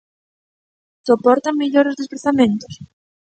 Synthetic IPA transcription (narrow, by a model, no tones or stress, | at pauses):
sopɔɾt̪amiʎoɾʊzðespɾaθamẽnt̪ʊ̥s